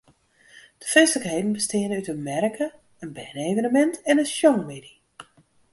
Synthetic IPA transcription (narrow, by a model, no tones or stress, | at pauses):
d̥əfɛnsləkhejdn̩bəstɪənəytənmɛrkʰə | ənbɛːnejvənəmɛntɛnənʃjɔŋmedi